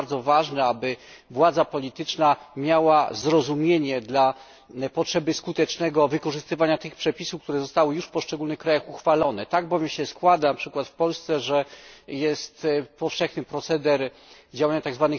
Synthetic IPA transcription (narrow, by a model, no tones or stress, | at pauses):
ɾd̪zɔvaʐnɛabɘvwad̪zapɔlʲit̪ɘt͡ʂnamʲjawazɾɔzumʲjeɲɛd̪la | pɔtʂɛbɘskut̪ɛt͡ʂnɛɡɔvɘkɔʐɘst̪ɘvaɲat̪ɘxpʂɛpʲisufk̚t̪uɾɛzɔst̪awɘjuʂfpɔʂt͡ʂɛɡulnɘxkɾajaxuxfalɔnɛt̪aɡ̚bɔvjɛmɕɛskwad̪anapʂɘkwat̪fpɔlst̪sɛʐɛjɛst̪pɔfʂɛxnɘpɾɔt̪sɛd̪ɛɾ | d͡ʑawaɲat̪aɡzvanɘ